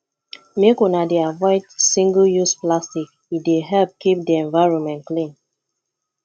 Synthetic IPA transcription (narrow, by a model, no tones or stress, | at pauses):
mekɔ̃nadeavɔɪdsĩŋɡəljusplastik | ideɦɛlp̚kip̚diɛ̃ɱvaɪɹɔ̃nmɛ̃ntklĩn